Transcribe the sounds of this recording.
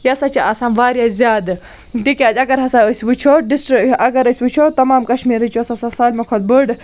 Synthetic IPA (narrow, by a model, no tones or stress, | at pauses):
jɐsɐt͡ʃiʔasaːnʋaːɾjaːzʲjaːd̪ | t̪ikʲaːd͡ʒɐɡɐɾɦɐsaəsʲʋɨt͡ʃʰoːɖisʈɾiɐɡɐɾəsʲʋɨt͡ʃʰoːt̪ːɐmaːmkɐʃmiːɾɨt͡ʃuɐsɐsɐsaːlʲmɐkʰɐt̪̚bɨɖ